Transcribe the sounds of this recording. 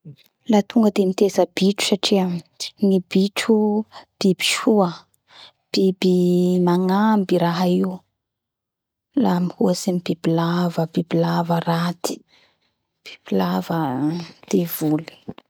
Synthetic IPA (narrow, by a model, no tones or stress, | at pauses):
lat̪uŋɡəd̪emit̪ezəb̥iʈ͡ʂu̥saʈ͡ʂiəŋib̥iʈ͡ʂub̥ibi̥ʃuə | b̥ibimaŋambiɾaɦaiu | lamihuasemib̥ibilavəbibilavərat̪i̥ | b̥i̥b̥ilavəd̪̥ev̥uli̥